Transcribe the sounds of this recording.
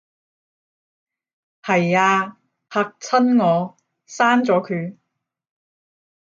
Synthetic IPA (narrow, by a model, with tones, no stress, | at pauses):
hɐ˨˩jaː˧ | hʰaː˧k̚t͡sʰɐ˥nŋɔː˨˧ | saː˥nt͡sɔː˨˥kʰyː˨˧